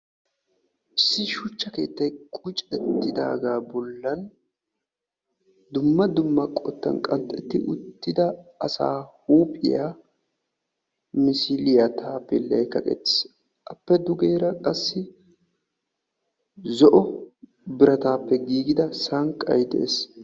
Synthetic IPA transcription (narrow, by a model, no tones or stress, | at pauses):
ʔɪsːɪʃʊt͡ʃːɐke̞̰ːt̪ːɐjkʼʊt͡ʃʼɛt̪ːɪd̪a̰ːɡaːbɔlːɐn | d̪ʊmːɐd̪ʊmːɐkʼɔt̪ːɐ̰nkʼɐnt̪ʼːɛt̪ːɪʔʊt̪ːɪd̪ɐːsa̰ːhuːpʼɪ̰jaː | mɪsɪlɪjat̪ʰaːpːɛlɐ̰jkɐkʼɛ̰t̪ːɪ̥s | ʔɐpːɛd̪ʊɡe̞ːɾɐkʼɐsːɪ | zɔʔɔ | bɪɾɐt̪aːpːɛɡiːɡɪd̪ɐsɐŋkʼːɐ̰jd̪ɛʔḛːs